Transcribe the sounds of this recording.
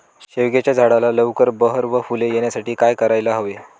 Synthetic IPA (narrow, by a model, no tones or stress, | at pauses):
ɕeʋɡjat͡ɕjad͡zʱaɽalaləʋkəɾbəɦəɾʋəfulejeɳjasaʈiːkajkəɾajlaɦoʋe